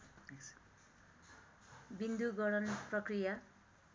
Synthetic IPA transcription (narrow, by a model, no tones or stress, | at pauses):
bind̪uɡʌɾʌnprʌkrija